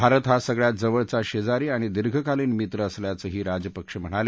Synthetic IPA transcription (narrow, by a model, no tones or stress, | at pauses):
bʱaɾət̪ɦasəɡɭjat̪̚d͡zəʋəɭt͡saɕed͡zaɾiːaɽ̃id̪iɾɡʱəkaliːnmit̪ɾəəsljat͡səːɦiːɾad͡ʑəpəkʂəm̤əɽ̃ale